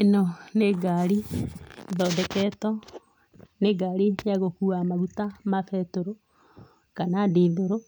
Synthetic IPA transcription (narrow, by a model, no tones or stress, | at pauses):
enoneɡaɾi | ðɔdɛkɛtɔ | neɡaɾijaɣokuamaɣutamafɛtoɾo | kanadeðoɾo